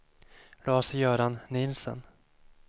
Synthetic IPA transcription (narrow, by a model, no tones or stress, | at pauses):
lɑːsəjœːɾanːɪlsə̰n